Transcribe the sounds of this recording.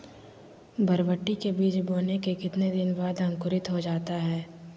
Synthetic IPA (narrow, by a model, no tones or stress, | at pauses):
bʱɐɾʋəʈːikebiːt͡ʃboːnekekɪt̪ned̪ɪnbaːd̪ɐ̃ŋkʊɾɪt̪ɦod͡ʒaːt̪aɦɛː